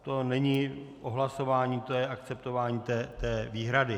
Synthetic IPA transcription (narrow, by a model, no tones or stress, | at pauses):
t̪o̞nɛɲɪʔoɦlaso̞vaːɲiːt̪ojɛʔakt͡sɛpt̪o̞vaːɲiːt̪ɛːt̪ɛːviːɦɾadɪ